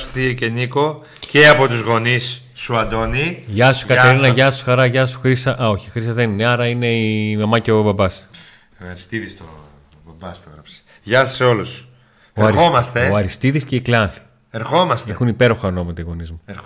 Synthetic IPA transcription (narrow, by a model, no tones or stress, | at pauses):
st̪ioceniko | ceɐpo̞t̪uzɣo̞nisː | uɐd̪o̞niʝɐsu̥kɐt̪eɾinɐʝɐsu̥sxɐɾɐʝɐsu̥xɾisɐʔɐo̞çixɾisɐðe̞nineɐɾɐine̞imɐmɐceobɐbɐs | ɐɾist̪iðist̪o | bɐbɐst̪oɣɾɐpse̥ | ʝɐsɐseo̞lus | oeɐɾixomɐst̪eoɐɾist̪iðisce̞iklɐnθi̥ | eɾxo̞mɐst̪exunipe̞ɾo̞xɐnomɐt̪eɣo̞nizmu